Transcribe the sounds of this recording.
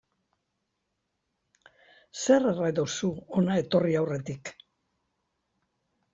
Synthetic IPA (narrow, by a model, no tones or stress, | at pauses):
se̞rerajðosuo̞nae̞t̪o̞riawre̞t̪ik